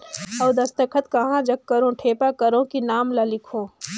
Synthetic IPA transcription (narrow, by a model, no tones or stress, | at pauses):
ɔːd̪ɐst̪əkʰət̪kɐɦãd͡ʒɐkːɐɾõʈʰeːpakɐɾõkinaːmlalɪkʰõː